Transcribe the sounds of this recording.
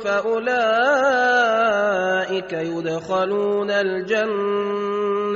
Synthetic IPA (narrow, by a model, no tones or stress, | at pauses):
faʔʊlaː | ʔɪkajʊd̪xaluːnald͡ʒanː